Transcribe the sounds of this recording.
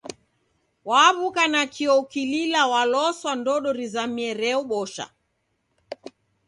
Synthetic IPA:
waːβukanakʰiɔkililawalɔswandɔɗɔɾizamiɛɾɛuɓɔʃa̰

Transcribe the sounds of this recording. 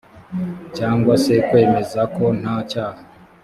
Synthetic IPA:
caːŋɡwase̞kwe̞ːme̞zako̞n̥acaːha

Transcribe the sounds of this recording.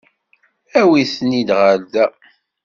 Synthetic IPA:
æwiθənid̪ʁald̪æ

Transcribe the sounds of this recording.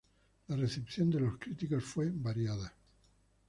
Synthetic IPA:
lare̞θe̞pθjo̞nd̪elo̞skɾit̪ikosfwe̞baɾjaða

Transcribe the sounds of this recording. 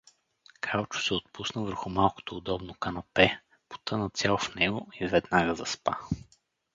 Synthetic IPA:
kʰalˠt͡ʃʊ̥sɛot̪̚pusnəvəɾxumalˠko̥t̪oːd̪ɔbnokɐnɐpɛ | po̥t̪ɤnɐt̪sʲjalˠfnɛɡoizvɛd̪naɡəzɐspa̰

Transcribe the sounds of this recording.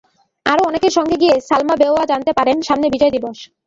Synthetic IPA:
aɾoɔnekeɾʃɔŋɡeɡiesalmabeoad͡ʑant̪epaɾenʃamnebid͡ʑɔed̪iboʃ

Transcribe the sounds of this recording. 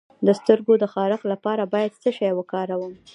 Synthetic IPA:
d̪əst̪əɾɡod̪əxɑɾɪxlapɑɾabɑjad̪̚səʃɑjwəkɑɾawəm

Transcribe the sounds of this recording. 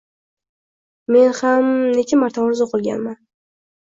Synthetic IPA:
me̞nhamnekʲɪmaɾt̪ʰamɾɪzoqʰɨlˠɡʲa̰nman

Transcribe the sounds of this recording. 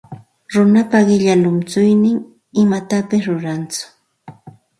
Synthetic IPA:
ɾʊnapaɢɪʎalʊmt͡sʊjnɪŋ | ɪmat̪apɪsɾʊɾant͡sʊ̥

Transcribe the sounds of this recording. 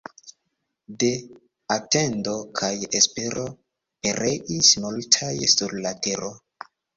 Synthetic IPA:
de̞ | atendo̞kʰajespeɾo̞ | pe̞ɾʔeʔismultʰajsuɾlateɾo

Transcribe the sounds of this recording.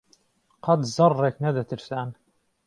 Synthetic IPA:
qʰɑt̪zɑrːeːknɐd̪ɐt̪ʰɨɾsaːn

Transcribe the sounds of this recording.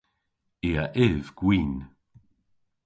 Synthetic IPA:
eːaʔɪvɡ̥wiːn

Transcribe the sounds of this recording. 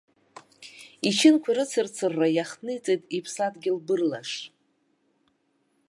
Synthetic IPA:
it͡ʃʰɪnkʷʰaɾɨt͡sʰɨrt͡sʰɨrːajaχnɨit͡sʼejtʼipʰsatʼɡʲɪlbɨrlaʂ

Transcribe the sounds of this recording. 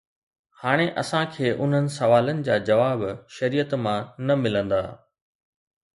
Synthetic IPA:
haːɽ̃eʔɐsãkʰeːʔʊn̤ənɪ̆sɐʋaːlənɪ̆d͡ʑaːd͡ʑɐʋaːbʃɐɾiːət̪mãnɐmɪlə̃nd̪a̰ː

